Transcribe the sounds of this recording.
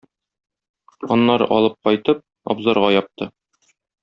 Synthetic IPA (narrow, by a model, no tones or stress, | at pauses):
ɒnːɑɾɤ̰ʔɒlˠɤp̚qɒjt̪ɤp̚ | ɒ̰bzɑɾʁɑjɒp̚t̪ɤ